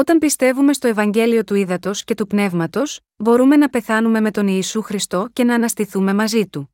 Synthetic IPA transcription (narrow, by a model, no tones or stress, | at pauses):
o̞t̪ɐmpist̪e̞vume̞st̪o̞e̞vɐɲɟe̞lio̞t̪uiðɐt̪o̞sce̞t̪upne̞vmɐt̪o̞s | bo̞ɾume̞nɐpe̞θɐnume̞me̞t̪o̞niːsuxɾist̪o̞ce̞nɐːnɐst̪iθume̞mɐzit̪u